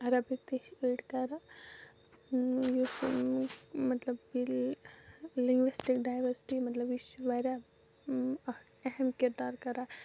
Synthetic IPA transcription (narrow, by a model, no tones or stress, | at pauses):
ɐɾabik̚t̪eʃeːʈkɐɾa | jus | mɐt̪lɐbil | lĩŋɡʋisʈɪkɖaːjʋɐɾsɪ̥ʈimɐt̪lɐbiʃʋaɾa | ɛɦɛmkɪɾd̪aːɾkɐɾa